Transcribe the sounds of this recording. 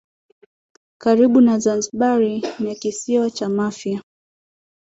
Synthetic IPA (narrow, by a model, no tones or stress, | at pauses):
kaɾiɓunazanziɓaɾinjakisiwat͡ʃamafja